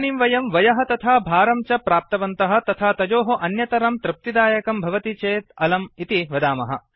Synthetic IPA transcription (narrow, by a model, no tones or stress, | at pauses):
nimʋɐjɐmʋɐjɐɦɐ̆t̪ɐt̪ʰaːbʱaːɾɐmt͡ʃɐpɾaːp̚t̪ɐʋɐnt̪ɐɦɐ̆t̪ɐt̪ʰaːt̪ɐd͡ʒoːɦɐʔɐnjɐt̪ɐɾɐmt̪ɾɪp̚t̪id̪aːjɐkɐmbʱɐʋɐt̪it͡ʃeːt̪ɐlɐmit̪iʋɐd̪aːmɐɦɐ̰̆